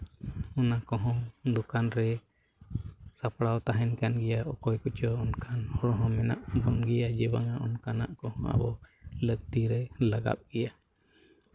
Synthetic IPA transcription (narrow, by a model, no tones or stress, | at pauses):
ɔnakɔɦɔ̃ŋd̪ɔkanɾɛ | sapɽawt̪aɦɛnkanɡɛjaɔkɔjkut͡ʃɔːnkʰanhɔɽɔɦɔ̃mɛna̰ʔbɔnɡɛjad͡ʒɛbaŋaʔɔnkana̰ʔkɔhɔ̃a̰bɔlək̚t̪iɾɛlaɡa̰p̚ɡ̥ɛja